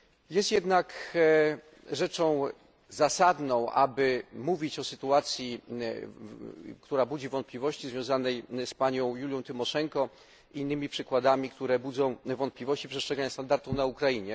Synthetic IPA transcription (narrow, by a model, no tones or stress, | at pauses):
jɛst̪jɛd̪nak | ʐɛt͡ʂɔ̃w̃ | zasad̪nɔ̃w̃ʔa̰bɘmuvʲit͡ɕɔsɘt̪uat̪sʲji | kt̪uɾabud͡ʑivɔnt̪̚plʲivɔɕt͡ɕizvjɔ̃w̃zanɛjspaɲɔ̃w̃julʲjɔ̃w̃t̪ɘmɔʂɛŋkɔ | inːɘmʲipʂɘkwad̪amʲikt̪uɾɛbud̪zɔ̃w̃vɔnt̪̚plʲivɔɕt͡ɕipʂɛstʂɛɡaɲast̪and̪aɾt̪ufnaukɾaiɲɛ